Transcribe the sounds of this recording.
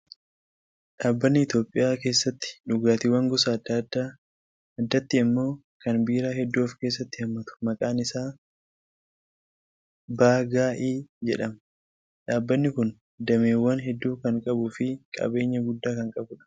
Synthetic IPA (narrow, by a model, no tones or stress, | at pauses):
ᶑaːbːɐnːɪɪt̪jo̞ːpʼːɪjaːke̞ːsːɐt̪ːɪ̥ᶑʊɡaːt̪ɪwɐŋɡɔsɐːd̪ːad̪ːa | ɐd̪ːɐt̪ːɪɪmːo̞ː | kɐnbiːɾaːhɛd̪ːuːfke̞ːs̬ːɐt̪ːɪhɐmːɐt̪ʊ̥mɐkʼaːnɪsaː | baːɡaːʔiːd͡ʒɛᶑɐm | ᶑaːbːɐnːɪkʊn | d̪ɐmeːwːɐnɦɛd̪ːuːkɐŋkʼɐbʊfɪkʼɐ̰be̞ːɲːɐɡʊd̪ːaːkɐŋkʼɐbʊᶑɐ̥